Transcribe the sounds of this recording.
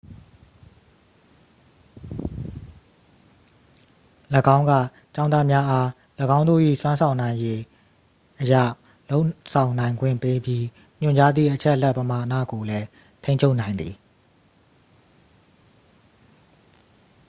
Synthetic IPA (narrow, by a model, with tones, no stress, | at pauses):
ləɡã˦ʊ̃ŋɡä̰˦˨ | t͡ɕã˦na˦mja˦ʔa˦ | ləɡã˦ʊ̃nd̪o̰˦˨ʔḭ˦˨swã˦nsʰã˨ʊ̃nã˨ɪ̃je˦ | ʔəja̰˦˨ | lo˦ʊsʰã˨ʊ̃nã˨ɪ̃ŋɡwɪ̰̃˦˨mpe˦bji˦ | m̥ʊ̃˨ɲt͡ɕa˦d̪ðḭ˦˨ʔət͡ɕʰɛ˦ʔəlɛ˦ʔpəma˨ʔnä̰˦˨ɡo˨lɛ˦ | tʰẽ˦ɪ̃ɲʰo˦ʊʔnã˨ɪ̃nd̪ði˨